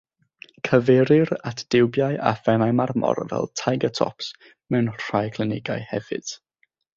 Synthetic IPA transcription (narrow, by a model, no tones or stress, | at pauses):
kʰəvɛɾɨɾatʰd̥ɪwbjajʔa̰fɛnajmarmɔ̰rvɛ̰lˠtʰajɡətʰɔ̰ps | mɛwnr̥ajkʰlˠɨnɪɡajhɛvɨ̰d̥